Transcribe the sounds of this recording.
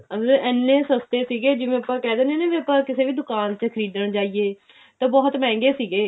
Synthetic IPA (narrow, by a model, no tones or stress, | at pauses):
əmləɛnːẽːsəst̪eːsiːɡeːd͡ʒɪmẽːəpːãːkɛːd̪eːneːneːʋẽːəpːãːkɪseːʋiːd̪ʊkaːnt͡ʃəkʰəɾiːd̪əɳt͡ʃaːiːeː | t̪ãːbɔːt̪mɛ̃ːŋɡeːsiːɡeː